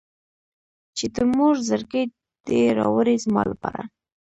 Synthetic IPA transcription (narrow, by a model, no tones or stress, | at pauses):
t͡ʃet̪əmuʐzəɾkəj | d̪̥eɾɑwəɾezmɑlapɑɾa̰